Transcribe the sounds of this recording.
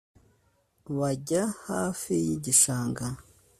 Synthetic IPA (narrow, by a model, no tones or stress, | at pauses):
βaɟahaːfijiɟiʃaːŋɡa